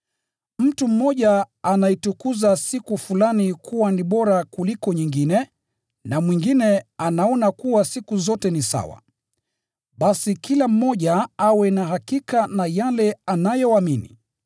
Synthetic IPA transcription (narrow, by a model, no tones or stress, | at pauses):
m̩tum̩mɔʄa | anaitukuzasikufulanikʰuwaniɓɔɾakulikɔɲiŋɡinɛ | namwiŋɡinɛanaɔnakuwasikuzɔtɛnisa̰wa̰ | ɓasikilam̩mɔʄaawɛnaɦakikanajalɛanajɔaminḭ